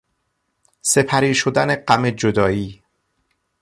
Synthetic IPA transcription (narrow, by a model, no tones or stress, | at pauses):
se̞pʰæɾiːʃod̪æne̞ɢæme̞d͡ʒod̪ɒːiː